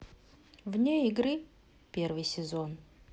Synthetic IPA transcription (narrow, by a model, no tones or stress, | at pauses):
vnʲeɪɡɾɨ | pʲervɨjsʲɪzon